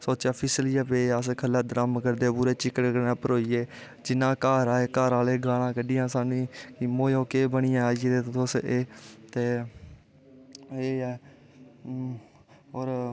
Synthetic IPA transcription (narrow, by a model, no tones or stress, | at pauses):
soːt͡ʃaːpʰɪslɪjaːpeːaːskʰəlaːd̪əɾəmkəɾd̪eːbʊɾeːt͡ʃɪkːəɽkənãːpəɾoːiːeː | d͡ʒɪnãːkaːɾaːeːkaːɾaːleːɡʱaːɽãːkəɖɪjãːsaːnĩːkimoːjoːkeːbəɽ̃ɪjãːaːieːd̪eːt̪ːoseːt̪eː | eːɛː | ɔːɾ